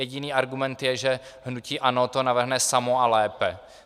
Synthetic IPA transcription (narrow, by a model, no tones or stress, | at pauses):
ɛɟɪniːʔaɾɡumɛnt̪jɛʒɛ | ɦnuciːʔanot̪onavr̩ɦnɛsamoalɛːpɛ